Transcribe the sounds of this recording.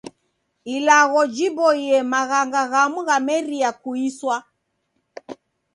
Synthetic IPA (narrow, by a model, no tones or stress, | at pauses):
ilaɣɔd͡ʒibɔiɛmaɣaŋɡaɣamuɣamɛɾiakuiswa